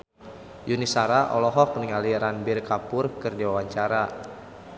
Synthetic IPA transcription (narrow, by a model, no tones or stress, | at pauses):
junisaɾaʔɔ̰lɔɦɔk̚niŋaliɾanbirkapʊrkɨrdiwawaɲt͡ʃaɾa